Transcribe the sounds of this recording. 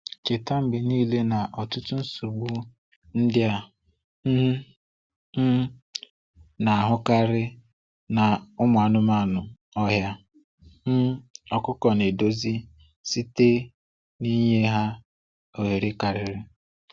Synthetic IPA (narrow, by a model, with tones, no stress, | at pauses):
ke˨ta˦m̩˨bɪ˨niː˦le˦na˨ʔɔ˨tʊ˦tu˦n̩˦su˨ɡ͡bu˦ | n̩˦dɪ˦a˦ | m̩˦ | m̩˦ | na˨a˨ɦʊ˦ka˦ɾɪ˦ | na˨ʊ˦mʊ˨a˨nʊ˦ma˦˨nʊ˨ | ɔ˦ɦja˦ | m̩˦ɔ˨kʊ˦kɔ˨ne˨do˦zi˦ | si˦te˦ | ni˦ɲe˦ɦa˦ | o˨ɦe˨ɾe˦ka˨ɾɪ˨ɾɪ˦